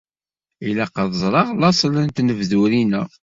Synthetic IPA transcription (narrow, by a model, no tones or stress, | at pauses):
ilæqəðzˤɾˤɑʁlɑsˤlənt̪nəvðuɾinæ